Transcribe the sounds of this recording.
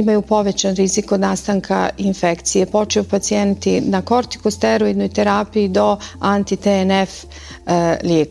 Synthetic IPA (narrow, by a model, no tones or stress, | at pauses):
imajupo̞ʋet͡ɕanɾizikod̪naːst̪aŋkʰa̰infekt̪sijepo̞t͡ʃejupat̪sient̪inako̞ɾt̪i̥kust̪eɾoid̪nojt̪eɾaːpijid̪o̞ant̪it̪enef | ljeːk